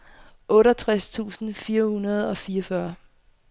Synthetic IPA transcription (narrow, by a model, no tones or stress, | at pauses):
ʔɔ̽ːɾɐt͡sʰʁast͡sʰṵːsn̩fiːɐhunɐð̞̩ˠɒ̽fiːɐfɶɐ